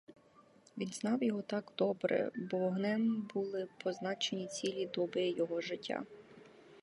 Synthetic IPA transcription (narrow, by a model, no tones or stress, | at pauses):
ʋʲinznɑwjɔɦɔt̪ɑɡd̪ɔbɾɛ̰bɔɔɦnɪmbulˠɪpɔznɑt͡ʃenʲit͡sʲilʲid̪ɔbɪjɔɦɔʒɪtʲːa̰